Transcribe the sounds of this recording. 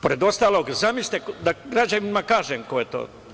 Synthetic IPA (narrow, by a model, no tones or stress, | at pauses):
po̞ɾed̪o̞st̪aːlˠo̞ːɡzamisʲt̪ekd̪aɡɾad͡ʒaninmakaːʒemkojet̪o̰ː